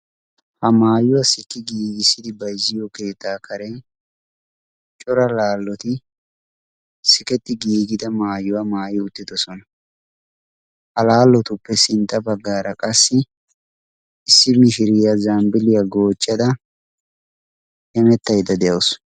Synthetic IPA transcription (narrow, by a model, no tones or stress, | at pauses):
hɐmaːjʊwɐsɪkːɪɡiːɡɪsːɪd̪ɪbɐjzːɪjɔke̞ːt̪ːaːkʰɐɾɛn | t͡ʃʼɔɾɐlaːlːɔt̪ɪ | sɪkɛt̪ːɪɡiːɡɪd̪ɐmaːjʊwɐmaːjɪʊt̪ːɪd̪ɔsɔnɐ | hɐlaːlːɔt̪ʊpːɛsɪnt̪ːɐbɐɡːaːɾɐkʼɐsːɪ | ɪsːɪmɪʃɪɾɪjɐzaːmbɪlɪjɐɡo̞ːt͡ʃʼːɐd̪ɐ | hɛmɛt̪ːɐjd̪ɐd̪ɛjɐws